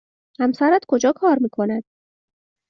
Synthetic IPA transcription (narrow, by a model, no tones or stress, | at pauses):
hæmsæɾæd̪kʰo̞d͡ʒɒːkʰɒːɾmiːkʰo̞næd̪̥